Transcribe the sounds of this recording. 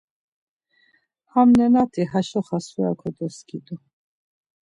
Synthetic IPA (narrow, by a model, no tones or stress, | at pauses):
hamnɛnat̪ʰʼiɦaʃɔχasua̰kʰɔd̪ɛskid̪ʼɔ